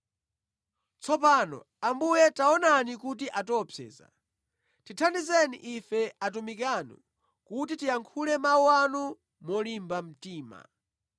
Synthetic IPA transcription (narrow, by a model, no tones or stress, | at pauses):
t͡sɔpanɔ̰ | ambujɛtaɔnanikut̬iʔatɔpʰɛ̰ːza̰ | titʰandizɛnḭʔifɛatumikanṵ | kut̬itijaŋkʰulɛmawuanu | mɔlimbam̩tiːma̰